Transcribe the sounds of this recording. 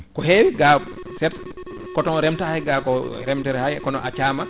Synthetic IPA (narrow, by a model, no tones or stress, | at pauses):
kɔɦewiɡa | sɛt | kɔtɔnɾɛmtahajɡakɔɾɛmtɛɾɛhajkɔnɔat͡ʃaːma